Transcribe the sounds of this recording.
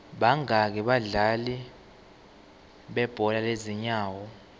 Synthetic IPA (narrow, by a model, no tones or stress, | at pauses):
ɓaŋak̬ɛɓaɮali | ɓɛb̥ʱɔlaleziɲaːwɔ